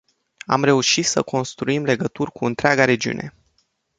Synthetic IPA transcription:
a̰mɾe̞uʃit̪səko̞nst̪ɾuimle̞ɡət̪urʲkuɨnt̪ɾeaɡaɾe̞d͡ʒiṵne̞̰

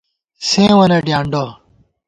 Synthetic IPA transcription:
sẽːʋənẽːɖjãːɳɖoː

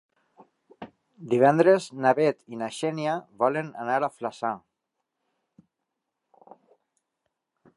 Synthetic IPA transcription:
d̪iβ̞ɛnd̪ɾeznaβet̪inaʃɛnjaβɔlena̰naɾaflasa

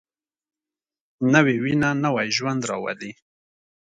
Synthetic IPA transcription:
nəwewinanəwajʒwand̪ɾɑwa̰li

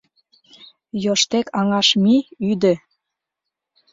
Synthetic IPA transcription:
joʃt̪ekɑŋɑʃmiyd̪ə̆

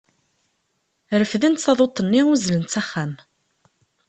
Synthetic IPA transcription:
ɾəfðint̪θɑðˤot̪ˤːənːiʊzlənt̪t͡sæχːæm

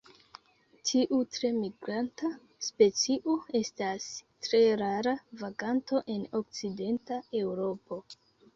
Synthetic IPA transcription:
tʰiʔutɾe̞miɡɾanta | spe̞t͡siʔoe̞stastɾe̞ɾaɾavaɡanto̞ʔe̞no̞k̚t͡side̞ntae̞wɾo̞po̞

